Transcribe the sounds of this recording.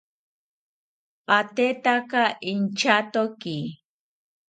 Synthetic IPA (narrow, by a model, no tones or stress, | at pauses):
at̪et̪akaʔint͡ʃat̪oki